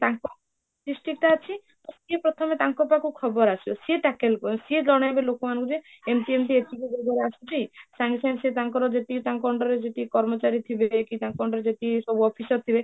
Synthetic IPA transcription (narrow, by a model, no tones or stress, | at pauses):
t̪aŋkɔ | ʈisʈik̚ʈaːt͡ʃʰi | ɔsiepɾɔt̪ʰɔmet̪aŋkɔpakukʰɔbɔɾasʰibɔsieʈakelkɔsied͡ʒɔɽ̃ajbelokɔmanɔ̃ŋkud͡ʒe | emʈiemʈ̪iet͡ʃʰikid͡ʒ̪ʱeɡ̪ɔɾeasʰut̪ʰisaŋsansiet̪aŋkɔɾɔd͡ʒeʈit̪aŋkɔɳɖɔɾed͡ʒeʈikɔɾmɔt͡ʃaɾit̪ʰibekit̪aŋkɔɳɖɔɾed͡ʒeʈisɔbʱuɔpʰisɔɾt̪ʰibe